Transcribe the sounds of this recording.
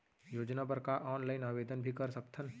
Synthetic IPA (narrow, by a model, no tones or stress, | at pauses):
joːd͡ʒnap̬əɾkaʔɔːnlaːɪnaːʋeːd̪ənbʱikɐɾsəkt̪ʰən